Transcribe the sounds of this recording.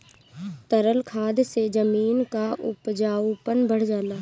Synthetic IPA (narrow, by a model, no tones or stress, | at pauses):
t̪əɾəlkʰaːd̪sed͡ʒəmiːnkaʔʊpd͡ʒaːupənbʱəɽd͡ʒaːlaː